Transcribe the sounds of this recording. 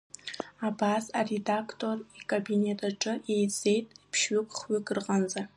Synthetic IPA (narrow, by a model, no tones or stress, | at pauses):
abaːsaredakʰtʰorikʰʼabinetʰʼaʈ͡ʂʼɨejt͡sʼejtʼpʰʃɥɪkʷʼχɥɪɡʼɨrʁɐnza